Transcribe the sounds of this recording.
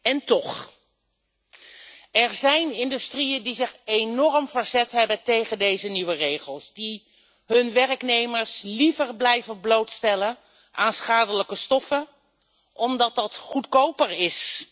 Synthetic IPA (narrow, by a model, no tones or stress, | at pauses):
ɛntɔχ | ɛɹzɛjnɪndystrijəndizɪχejnɔɹmvəɹzɛtɦɛbəntejχəndejzəniʋərejχəlˠsdi | ɦɵnʋɛrəknejməɹslivəɹblɛjvənblowtstɛlən | ʔaːnsχaːdələkəstɔfə | ʔɔmdɑt̚dɑtχutkowpəɹɪs